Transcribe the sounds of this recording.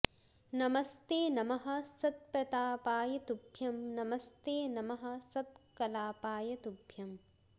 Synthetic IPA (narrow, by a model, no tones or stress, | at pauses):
nɐmɐst̪eːnɐmɐɦɐ̆sɐt̪̚pɾɐt̪aːpaːjɐt̪ubʱjɐmnɐmɐst̪eːnɐmɐɦɐ̆sɐd̪̚kɐlaːpaːjɐt̪ubʱjɐm